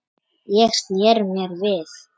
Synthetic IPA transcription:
jɛxst̪njɛɾmjɛɾvɪθ

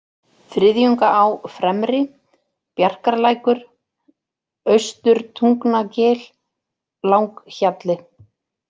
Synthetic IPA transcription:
fɾɪðjʏŋkaʔawfɾɛmɾɪ | pjar̥kaɾlaːjkʏɾ̥ | œɥst̪ʏɾ̥t̪ʰuŋknacɛːl | lawŋkçat̪lɪ

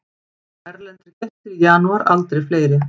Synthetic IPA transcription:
ɛɾlɛnt̪ɪɾcɛht̪ɪɾjaːnuaɾa̰lt̪ɾejfleːjɾɪ

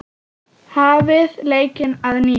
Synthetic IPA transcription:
haːvɪðleːjcɪnaðniː

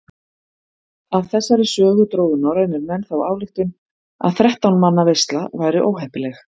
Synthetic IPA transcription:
avθɛsːaɾɪsœːɣʏt̪ɾoːwðʏnaɾeːjnɪɾmɛnθawaːwlɪxt̪ɪn | a̰ðθɾɛht̪awnmanːavejst̪lavaːjɾɪʔoːwɦɛhpɪlɛx

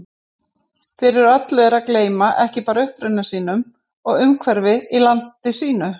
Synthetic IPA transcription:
fɪɾɪɾat̪lœɣɾakleːjmaʔɛhcɪpaːɾaʏhpɾʏnasiːnʏm | ɔɣʏmkʰvɛɾvɪilant̪ɪsiːnʏ

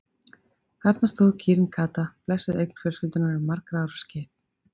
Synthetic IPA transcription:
θaɾt̪nast̪oːwðcʰiːɾɪnkʰaːt̪aplɛsɪðejkn̥fɪɾsfʏlt̪ʏnɪnʏmaɾkɾaaɾscɪ

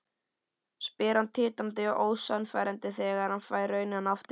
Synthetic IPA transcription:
spɪːɾant̪ʰɪːt̪ant̪ɪɔʔoːwsœnfa̰jɾɛnt̪ɪθɛːɣaɾ̥hanfaːjɾœɥnɪanaft̪

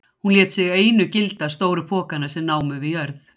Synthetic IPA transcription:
hunlɛːt̪sɪɣeːjnʏcɪlt̪ḁs̬t̪oːwɾʏpʰɔːkanaɾ̥sɛmnaːwmʏvɪjœɾθ

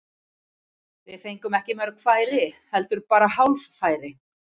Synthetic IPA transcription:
vɪðθejŋkʏmɛhcɪmɛɾʏkʰvaːjɾɪhɛlt̪ʏɾpaːɾahawlffaːjɾɪ

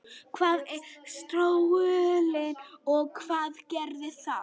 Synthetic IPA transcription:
kʰvaːðɛst̪ɾowʏlɪnɔɣkʰv̥aːðcɛɾðɪθa

